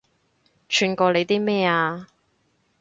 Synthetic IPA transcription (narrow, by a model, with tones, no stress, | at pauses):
t͡ʃʰyː˧nkɔː˧le˨˧jt̪iː˥mɛː˥aː˧